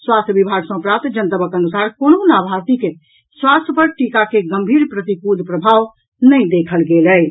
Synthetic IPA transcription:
swast̪ʰjəbibʱaɡsɔ̃pɾat̪d͡ʒənt̪əbəkənusaɾkononabʱaɾt̪ike | swast̪ʰjəpəɾʈikakeɡəmbʱiːɾpɾət̪ikud̪ʱpɾəbʱaw | nəĩd̪ekʰəlɡelɛ

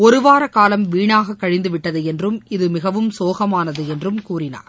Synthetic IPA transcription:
ɔɾɯʋaːɾɐkaːlɐmʋiːɳaːɣɐkːɐɻɪnd̪ɯʋɪʈːɐðɯɛndrɯmɪðɯmɪɣɐʋɯmsoːɣɐmaːnɐðɯɛndrɯmkuːrɪna̰ːɾ

